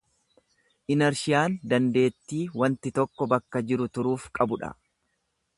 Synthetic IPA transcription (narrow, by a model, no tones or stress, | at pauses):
ʔɪnɐɾʃɪjaːnd̪ɐnd̪e̞ːt̪ːiːwɐnt̪ɪt̪ɔkːɔbɐkːɐd͡ʒɪɾʊt̪ʊɾuːfkʼɐbʊᶑɐ̰